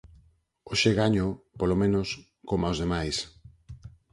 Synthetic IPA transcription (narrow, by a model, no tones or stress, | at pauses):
oʃeɣaɲopolomẽnos | komaozðemajs